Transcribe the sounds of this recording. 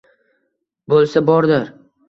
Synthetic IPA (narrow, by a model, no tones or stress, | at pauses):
bolˠsabɒɾd̪ɪɾ